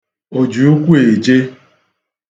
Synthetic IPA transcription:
o˨d͡ʒu˨˦u˦kʷu˦e˨d͡ʒe˦

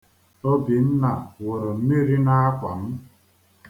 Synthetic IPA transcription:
o˦bi˨n̩˦na˨wʊ˨ɾo˨m̩˦mi˦ɾi˦na˦a˦kʷa˨m̩˦

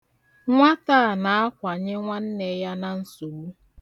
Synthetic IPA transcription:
ŋʷa˦taː˦˨na˨a˦kʷa˨ɲɪ˦ŋʷa˦n̩˦ne˨˦ja˦na˨n̩˦su˨mu˦

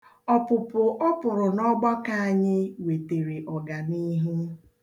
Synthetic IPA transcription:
ɔ˦pʊ˨pʊ˨ʔɔ˦pʊ˨ɾʊ˨nɔ˦ɡ͡ba˦ka˦a˨ɲɪ˦we˨te˨ɾe˨ʔɔ˨ɡa˨ni˦ɦe˦

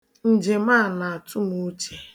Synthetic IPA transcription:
n̩˨d͡ʒe˨ma˦˨na˨a˨tʰʊ˦mu˦t͡ʃe˨

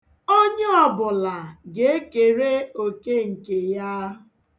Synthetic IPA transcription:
o˦ɲe˦ɔ˨bʊ˨la˨ɡe˨e˦ke˨ɾe˦o˨ke˦ŋ̩˨ke˨ja˦

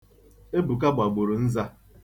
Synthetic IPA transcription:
e˦bʊ˨k̬a˦ɡ͡ba˨ɡ͡bʊ˨ɾʊ˨n̩˦za˦

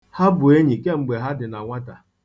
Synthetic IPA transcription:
ha˦bʊ˨e˦ɲi˨ke˦ŋ͡m̩˨ɡ͡be˨ɦa˦dɪ˨na˨ŋʷa˦ta˨

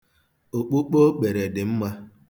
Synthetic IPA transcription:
o˨k͡pu˦k͡po˦k͡pe˨ɾe˨dɪ˨m̩˦ma˦

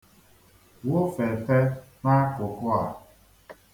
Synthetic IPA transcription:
wo˦fe˨te˦na˦kʊ˨kʊ˦a˨

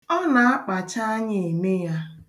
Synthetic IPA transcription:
ɔ˦na˨a˦k͡pa˨t͡ʃa˦a˦ɲɪ˨e˨me˦ja˦

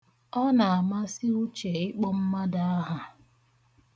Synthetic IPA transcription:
ɔ˦na˨a˨ma˦sɪ˦u˦t͡ʃe˨ɪ˦k͡pɔ˦m̩˦ma˦da˦a˦ɦa˨

